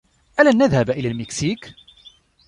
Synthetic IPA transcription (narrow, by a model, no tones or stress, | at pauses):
ʔalanːaðhabʔɪlaːlmɛksiːk